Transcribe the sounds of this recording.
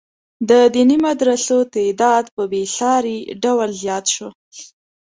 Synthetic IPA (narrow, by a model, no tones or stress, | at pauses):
d̪əd̪inimad̪ɾasot̪ed̪ɑd̪pəbesɑɾiɖawəlzjɑt̪ʃo